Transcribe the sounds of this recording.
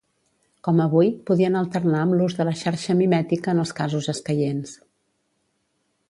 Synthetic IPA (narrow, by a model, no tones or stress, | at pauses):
kɔməβujpuðiənəlˠt̪ərnaəmluzðələʃaɾʃəmimɛt̪ikəːnəlˠskazuzəskəjens